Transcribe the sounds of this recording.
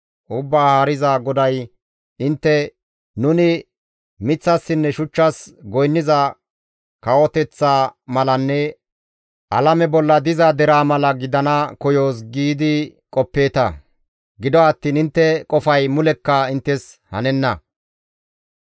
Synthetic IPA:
ʔʊbːaːhaːɾɪzaɡɔd̪ɐj | ɪnt̪ːɛ | nʊnɪ | mɪt͡sːɐsːɪnːɛʃʊt͡ʃːɐsɡɔjnːɪzɐ | kɐwɔt̪ɛt͡sːaːmɐlɐnːɛ | ʔɐlɐmɛbɔlːɐd̪ɪzɐd̪ɛɾaːmɐlɐɡɪd̪ɐnɐkɔjo̞ːsɡiːd̪ɪkʼɔpːe̞ːt̪ɐ̰ | ɡɪd̪ɔɐt̪ːiːnɪnt̪ːɛkʼɔfɐjmʊlɛkːɐɪnt̪ːɛshɐ̰nɛnːɐ

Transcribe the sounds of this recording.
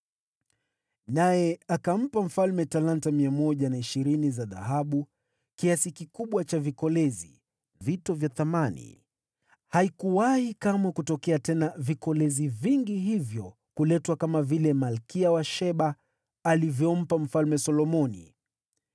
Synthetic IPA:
najɛakam̩pam̩falmɛtalantamiamɔʄanaiʃiɾinizaða̰haɓu | kiasikikuɓwat͡ʃavikɔlɛzḭ | vitɔvjaθamanḭ | haikuwahikamwɛkutɔkɛatɛnavikɔlɛziviŋɡiɦivjɔ | kulɛtwakamavilɛmalkiawaʃɛɓaː | livjɔm̩pam̩falmɛsɔlɔmɔnḭ

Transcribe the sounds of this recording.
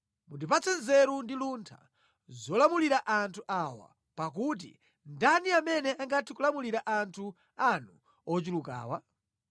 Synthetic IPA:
mundipat͡sɛnzɛɾundiluntʰa̰ | zɔlamuliɾaʔantʰuʔawa̰ | pak̬ut̬ḭ | ndaniamɛnɛaŋɡatʰikulamuliɾaʔantʰu | anu | ɔt͡ʃuluka̰ːwa

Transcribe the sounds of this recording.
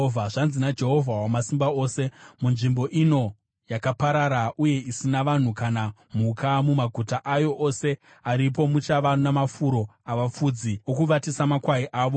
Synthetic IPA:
vʱaʐanzinad͡ʒe̞ɦo̞vʱawamasimbao̞ːse̞munʐimbo̞ʔino̞ | jakapaɾaɾaʔuje̞isinaʋan̤ukanam̤ukʰamumaɡʱutaʔajo̞ʔoːse̞ | aɾip̬o̞mut͡ʃaʋanamafuɾo̞aʋap͡fud͡ziokuʋatisamakwaiʔaːʋo

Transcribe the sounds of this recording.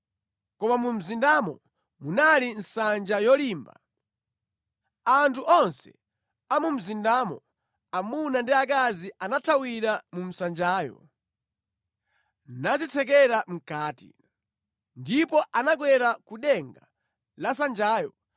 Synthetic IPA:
kɔmamum̩zindamɔ̰ | munalin̩sand͡ʒajɔliːmba̰ | antʰuʔɔnsɛ̥̰ | amum̩zindamɔ | amunandiak̬aziʔanatʰawiɾamum̩sand͡ʒaːjɔ̰ | nazitʰɛk̬ɛɾam̩kaːtḭ | ndipɔʔanaɡwɛɾakuɗɛŋɡa̰ | lasand͡ʒaːjɔ

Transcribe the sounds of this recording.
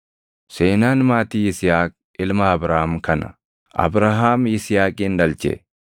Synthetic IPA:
seːnaːnmaːt̪iːɪsɪjaːkʼ | ɪlmɐːbɾahamkɐnɐ̰ | ʔɐ̰bɾaɦaːmɪsɪjaːkʼiːnd̪ɐlt͡ʃɛ̰

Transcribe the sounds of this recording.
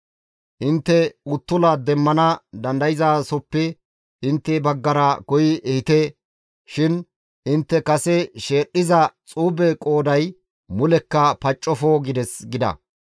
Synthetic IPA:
ʔɪnt̪ːɛʊt̪ːʊlɐd̪ɛmːɐnɐd̪ɐnd̪ɐjɪzaːsɔpːɛ | ʔɪnt̪ːɛbɐɡːɐɾɐkɔjɪɛhɪt̪eː | ʃɪn | ʔɪnt̪ːɛkɐsɛʃeːɗːɪzɐt͡sʼuːbɛkʼo̞ːd̪ɐj | mʊlɛkːɐpɐt͡ʃʼːɔfoɡɪd̪ɛsɡɪd̪ɐ̰

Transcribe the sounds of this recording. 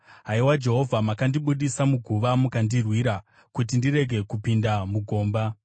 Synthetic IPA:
ɦaiwad͡ʒe̞ɦo̞vʱamakandiɓuɗisamuɡʱuʋamukandirwiɾa | kut̬indiɾe̞ɡʱe̞kupindamuɡʱo̞ːmba

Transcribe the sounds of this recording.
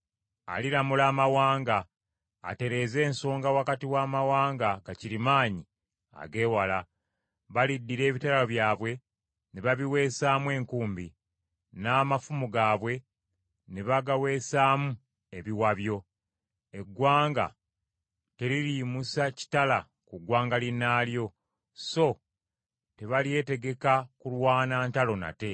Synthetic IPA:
a̰liɾamulaːmawaːŋɡa̰ː | te̞ɾe̞ze̞ːnso̞ːŋɡawakatiwaːmawaːŋɡaɡaciɾimaːɲi | a̰ɡe̞ːwala | βalidːiɾe̞ːβitalaβjaːβwe̞ | neβaβiwe̞ːsaːmwe̞ːŋkuːmbi | naːmafumuɡaːβwe̞ | neβaɡawe̞ːsaːmu | e̞βiwaβjo̞ | e̞ɡwaːŋɡa̰ | te̞ɾiɾimusaci̥tala | kuɡwaːŋɡalinaːljo̞ | so̞ | te̞βalie̞te̞ɡe̞kakulwaːnaːntalo̞na̰te̞

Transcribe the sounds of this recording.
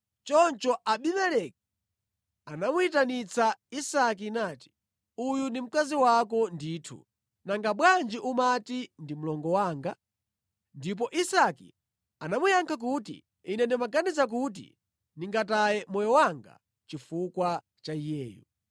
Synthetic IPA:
t͡ʃɔnt͡ʃɔʔaɓimɛlɛk̚ | anamuitanit͡sʰaisak̬inaːti̥ | ujundim̩kaziwakɔnditʰṵ | naŋɡaɓwand͡ʒiʔumatindim̩lɔŋɡɔwaːŋɡa | ndip̬ɔʔisakḭ | anamujaŋkʰak̬utḭ | inɛndɛmaɡanizak̬ut̬ḭ | niŋɡatajɛmɔjɔwaŋɡa̰ | t͡ʃifukwa | t͡ʃaijɛːjṵ

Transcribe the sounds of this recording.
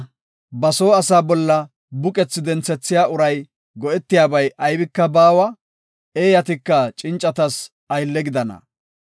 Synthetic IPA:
bɐsoːɐsaːbɔlːɐ | bʊkʼɛt͡sːɪd̪ɛnt͡sɛt͡sːɪjaːʊɾɐj | ɡɔʔɛt̪ːɪjaːbɐjʔɐjbɪkːɐbaːwɐ | eːjɐt̪ɪkːɐt͡ʃʼɪnt͡ʃʼːɐt̪ɐs | ɐjlːɛɡɪd̪ɐnɐ̰

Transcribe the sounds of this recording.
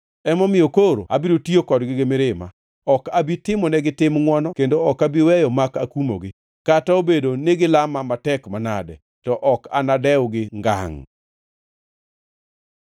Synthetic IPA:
ɛmɔmɪjokoɾo̰abiɾotiokɔdɡɪɡɪmɪɾɪma̰ | ɔkabitɪmɔnɛɡɪtɪmŋwɔnɔkendoɔkabiwɛjɔmakakumo̰ɡɪ | kataobedoneɡɪlamamatɛkmana̰dɛ̰ | tɔʔɔka̰nadɛwɡɪŋɡa̰ŋ

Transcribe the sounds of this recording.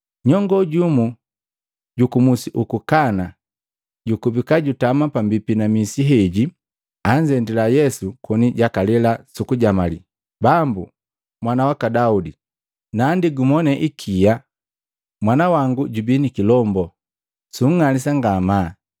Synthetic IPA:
ɲɔŋɡɔɟumu | ɟukumusiʔukukana | ɟukubikaɟutamapambipinamisiɦɛɟi | aɲd͡ʒɛndilajɛsukɔniɟakalɛlasukuɟamalḭ | bambu | mwanawakadaudi | nandiɡumɔnɛʔikʰija | mwanawaŋɡuɟubinikilɔmbɔ | suŋ̩ŋalisaŋɡama

